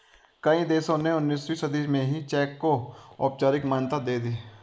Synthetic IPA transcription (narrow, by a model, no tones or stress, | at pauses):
kɐĩd̪eːsõneʊnːiːswisɐd̪iːmẽɦit͡ʃɛːkːoɔ̰ːp̚t͡ʃaːɾɪkmaːnt̪ad̪eːd̪iː